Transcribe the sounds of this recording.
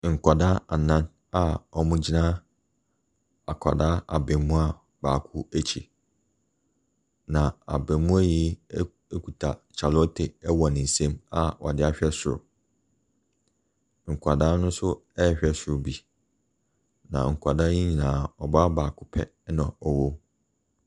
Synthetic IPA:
ŋ̩˨kʷʰa˨da˦a˨nã˦n | a˨ɔ˨mʊ̃˦d͡ʑi˦nã˦ | a˨kʷʰa˨daː˦a̰˨bɛ̃˨mũ˦a˦ | baː˨kʰʊ˦æ˦t͡ɕʰḭ˨ | nã˨a̰˨bɛ̃˨mũ˦æ˦ji˦ | kʰu˨tʰa˨t͡ɕʰa˨lɔ˦tʰe˨ɛ˦wɔ˨nɪ̃˨n̩˨sɛ̃˦ma˦ɔ̰˨dɪ˦a˦ɕᶣɛ˦sʊ˨ɾʊ̰˨ | ŋ̩˨kʰʷa˨da˦nʊ̃˦sʊ˦ɛ˦˨ɕᶣɛ˦sʊ˨ɾbi˨ | nã̰˨ŋ̩˨kʰʷa˨da˦ĩ˦ɲĩ˨lãː˨ɔ˨ba˦baː˨kʰʊ˦pʰɛ̰˦ | nã˨ɔ˨wo˦

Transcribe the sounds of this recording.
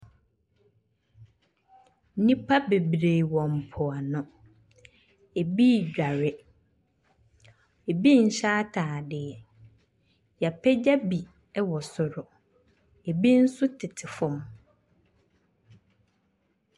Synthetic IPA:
nĩ˦pʰa˦be˨bɾe˨wɔ̃˨m̩˨pʰɔ˨a˨nʊ̃˨ | e˨bi˦˨ɟᶣa˨ɾɪ˦ | e˨bi˦n̩˨ɕaː˦tʰaː˨dɪ˨ɛ˨ | ja˨pʰɛ˦d͡ʑa˦bi˨ | ɛ˦wɔ˨sʊ˨ɾʊ˨ | e˨bi˦n̩˦sʊ˦tʰɪ˨tʰɪ˨fʊ̃˦m

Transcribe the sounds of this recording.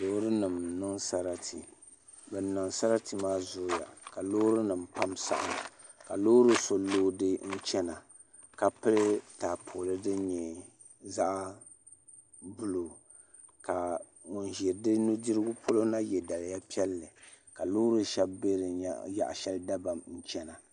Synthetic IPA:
lo˦ɾɨ˦nɨ˨mnɨ˦ŋsa˦ɾa˦tʰi˨ | bɛ˨nːɨ˨ŋsa˦ɾa˦ti˨maː˦zʊ˦ja̰˨ka˨loː˦ɾɨ˦nɨ˨mpa˦msa̰˨ʔa̰˨ | ka˨lo˦ɾɨ˦so˨loː˦dɨ˦n̩˦t͡ʃɛ˦na˨ | ka˨pɨ˦lɨ˦taː˨pʰo˨lɨ˦dɨ˦ɲɛ˨ | za˦ʔ | bu˦lo˨ | ka˨ | ŋʊ˨nʒi˨ɾdɨ˦nu˦di˦ɾɨ˦ɡʊ˦pʰo˦lo˦na˦jɛ˨da˨lja˦pi˦ɛ˦lːɨ˨ | ka˨lo˦ɾɨ˦ʃɛ˦bbe˦ɾɨ˨ja̰˨ʔʃɛ˦lda˦ba˨mn̩˦t͡ʃɛ˦na˨

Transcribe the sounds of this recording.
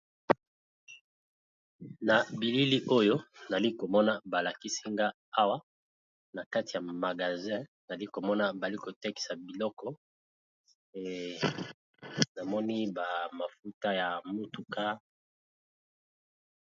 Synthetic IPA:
na˨bi˨li˦li˦ʔo˦jo˦na˨li˦ko˨mɔ˦na˦ba˨la˨ki˦si˦ŋɡa˦ | a˦wa˦ | na˨ka˦ti˨ja˨ma˨ɡa˨zɛ̃˦na˨li˦ko˨mɔ˦na˦ba˨li˦ko˨te˦ki̥˨sa˨bi˨lɔ˦kɔ˦˨ | na˨mɔ˦ni˦ba˨ma˨fu˦ta˦ja˨mu˦tu˨ka˦

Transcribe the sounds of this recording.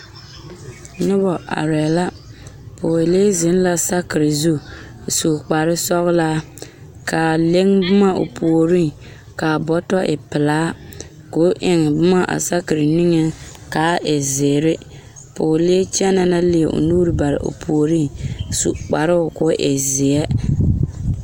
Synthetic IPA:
nʊ˦bɔ˨ʔa̰˨ɾɛ˨la˦ | pʰoː˨leː˦zɪ˨˦n˦la˦sa˦kɪ˨ɾɪ˨zu˦˨ | su˨k͡pa˨ɾɪ˦sɔ˦ɣla˦ | ka˨le˦ŋbʊ˦ma˦o̰˨pʰo˨o˨ɾi˦ŋ | ka˨bɔ˦tɔ˦ʔɪ̰˨pɪ˨laː˦ | kʊ˨˦ʔɪ˨ŋɪ˨bʊ˦ma˦ʔa̰˨sa˦kɪ˨ɾɪ˨nɪ˦ŋɛ˦ | kaː˨˦ʔɪ˨zɪː˨ɾɪ˦ | pʊː˨le˦t͡ʃɛ˦na˦na˦lɪ˦˨ʔʊ̰˨nuː˦ɾɨ˦ba˨ɾɪ̰˨ʔo̰˨pʰu˨o˨ɾi˦ŋsṵ˨ʔk͡pa˨ɾɪ˦ʊ˨kʊ˦ʔɪ˨zɪ˨ɛ˦

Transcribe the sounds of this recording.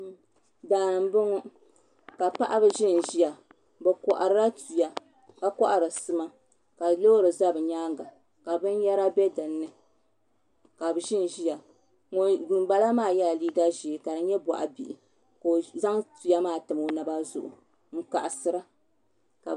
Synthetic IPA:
daː˨m˦bɨ˦ŋɔ˦ | ka˨pa˦ʔa˦bɨ˨ʒɪ˦n˨ʒi˦ja˨ | bɛ˨kɔ˨ʔa˨ɾɨ˦ɾa˦tu˨ja˨ | ka˦kɔ˦ʔa˨ɾɨ˨sɨ˨ma˦ | ka˨lo˦ɾɨ˨za˦bɨ˨ɲaː˦ŋɡa˨ | ka˨bɨ˦n˦ja˦ɾa˦bɛ˦dɨ˨nːɨ˦ | ka˨bɨ˨ʒɪ˦n˨ʒi˦ja˨ | ŋ˦dɨ˨m˦ba˦la˦maː˦˨ja˦˨liː˦ɡa˦ʒi˨ka˨dɨ˦ɲɛ˦ba̰˨ʔa̰˨bi˨ʔɪ˨ | ko˨za˦ŋtu˨ja˦maː˦˨tɨ˨mo˨na˨ba˦zʊ̰˨ʔʊ̰˨ | ŋ̩˦ka̰˨ʔa˨sɨ˦ɾa˦ | ka˨

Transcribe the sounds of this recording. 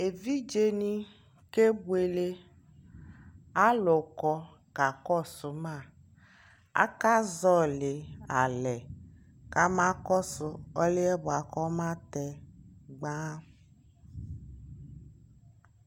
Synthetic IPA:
e˨vi˦d͡ʒe˦nĩ˦ | ke˦bu˦e˨le˦ | a˦lʊ˨kɔ˨ | ka˨kɔ˦˨sʊ˨mã˦˨ | a̰˦ka˦zɔ˦le˨a˨lɛ˨ | ka˦mã˦kɔ˦sʊ˧ɔ˦le˦ɛ˦bʊ˨a˨kɔ˦mã˦t̪ɛ˨ɡ͡bã˦

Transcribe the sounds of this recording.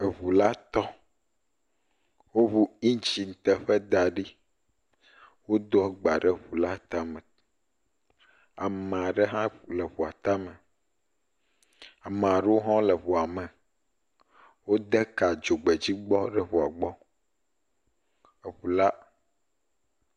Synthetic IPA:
e˨βu˨la˦t̪ɔ˦ | wo˦βu˦ĩ˦t͡ɕi˨n̩˨t̪ɛ˨ɸɛ˦d̪a˨ɖi˦ | wo˦d̪ɔ˦ɡ͡ba˨ɖɛ˦βu˨la˦t̪a˦mɛ̃˨ | a˨me˨a˨ɖɛ˦ɦã˦lɛ˨βu˨a˨t̪a˦mɛ̃˨ | a˨m˨a˨ɖɛ˦wo˦ɦɔ̃˦lɛ˨βu˨a˨mɛ̃˨ | wo˦d̪ɛ˦ka˨d͡ʒo˨ɡ͡bɛ˨d͡ʑi˦ɡ͡bɔ˦ɖɛ˦βu˨a˨ɡ͡bɔ˦ | e˨ɸu˨la˦

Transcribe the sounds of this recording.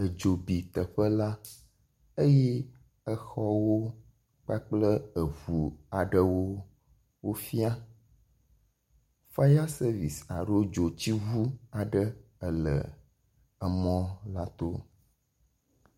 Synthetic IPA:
ə˨d͡ʒo˨bi˨t̪ə˨ɸə˦la˦ | ə˦jɛ˦ | ə˦xɔ˦wo˦ | k͡pa˦k͡plə˦ə˨vu˨a˨ɖə˦wo˦ | wo˦fi˦a˦ | fa˦ja˦sə˦vi˨sa̰˨ɖo˦d͡ʒo˨t͡ɕi˦vu˦a˨ɖə˦ə˨lə̰˨ | ə˨mɔ̃˦la˦t̪o˦

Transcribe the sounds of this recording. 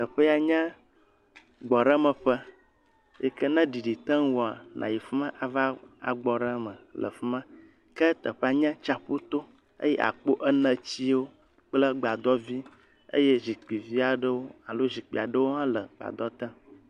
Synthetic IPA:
t̪ə˨ɸə˦a˨ɲɛ̃˦ | ɡ͡bɔ˨ɖə˦mə˨ɸə˦ | jɛ̰˦kə˦nə̃˦ɖi˨ɖi˨t̪ə̃˦ŋwɔ˨a˨nʔã̰˨ji˨fi˦mã˦ʔa˨va˦a̰˨ɡ͡bɔ˨ɾə˦mə̃˨lʔə̰˨fi˦mã˦ | kə˦t̪ə˨ɸə˦a˨ɲã˦t͡ʃa˨ɸu˦t̪o˦ | ə̰˦jɛ˦ʔa̰˨k͡po˦ʔə˦nə̃˦t͡ɕi˦wo˦ | k͡plə˦ɡ͡ba˨d̪ɔ˦vi˦ | ə̰˦je˦zi˨k͡pi˨vi˦a˨ɖə˦wo˦a˨lo˦zi˨k͡pi˨a˨ɖə˦wo˦ɦã˦lə˨ɡ͡ba̰˨d̪ɔ˦t̪ə̃˦

